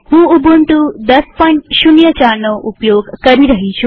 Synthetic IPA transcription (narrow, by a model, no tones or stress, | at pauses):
hũːubʱunʈud̪ɐspɔɳʈɕunjət͡ɕaɾnɔʔupjoɡkəɾiɾəɦit͡ɕʰu